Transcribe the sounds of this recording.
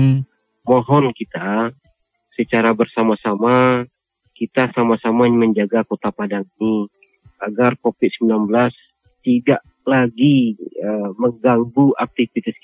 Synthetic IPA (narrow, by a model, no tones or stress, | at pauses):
moɦɔnkit̪a | sət͡ʃaɾabərsamasama | kit̪asamasamaɲməɲd͡ʒaɡakot̪apadaŋini | aɡarkofɪt̪̚səmbilanbəlas | t̪idaʔ | laɡiəməŋɡaŋɡuʔak̚t̪ifit̪ɪs